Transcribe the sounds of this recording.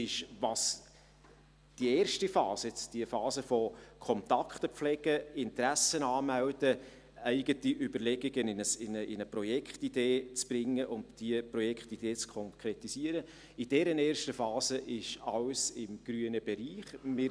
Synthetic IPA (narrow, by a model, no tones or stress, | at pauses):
ɪʃvɑs | d̥ieːrʃtifɑːsəɛt͡sd̥iəfɑːzəfɔkʰɔnt̪ɑkχt̪əp͡flɛɡ̥əɪntɾæsənɑːmæwdə | æɪɡətiʔʏbəɾlɛɡiɡənɪnəsɪnəʔɪnəprɔjɛkχtid̥eːt͡sb̥ɾɪŋːəʔʊndd̥iəpɾɔjɛkχtid̥eːt͡skʰɔŋkʰɾɛtisiəɾə | ɪd̥ɛɾənɛːɾʃtəfɑːzəʔɪʃɑlsɪmɡ̥ɾyənəbɛɾiːχmɪ